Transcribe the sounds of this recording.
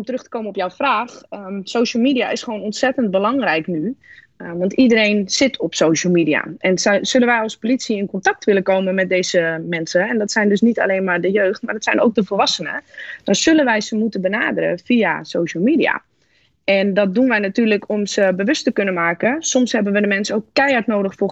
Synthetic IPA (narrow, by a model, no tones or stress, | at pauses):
mtərøxtə̥koːmənɔpjawfraːxsoːʃəlˠmiːdia̰ʔɪsχəʋoːnɔntsɛtənt̚bəlɑŋrɛjkny | ʋɑntidəɾeːnsɪtʰɔpsoːʃəlˠmidia̰ʔɛnsølənʋɛjɔlˠspolitsiɪnkɔntɑk̚tʋɪləkoːmənmɛt̚deːjzəmɛnsəɛndɔtsɛjndøsnita̰leːnmaːrdəjøːxtmaːrdɔtsɛjnʔo̰wk̚dəfəlˠʋɑsənə̰d̥ɔnz̥ølənʋɛjzəmutəbənaːdəɾə̰fiasoːʃəlˠmiːdia̰ | ɛndɔt̚dunʋɛjnatyːrləkʰɔmsəbəʋøstəkønəmaːkəsɔmshɛbənʋədəmɛnsəowkːɛjatnoːdəxfʊː